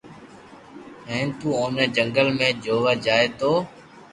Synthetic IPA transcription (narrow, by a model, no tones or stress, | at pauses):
ɦɛ̃ːnt̪uːoːneːd͡ʒəŋɡəlmẽːd͡ʒoːʋəd͡ʒaːeːt̪oː